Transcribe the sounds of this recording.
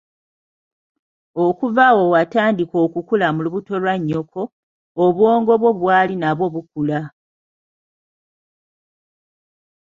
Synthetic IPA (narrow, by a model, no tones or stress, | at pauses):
okuvawo̞wataːndiko̞ːkukulamuluβuto̞lwaɲːo̞kʰo̞ː | βwo̞ːŋɡo̞βwo̞βwaːlinaβo̞βuk̚ula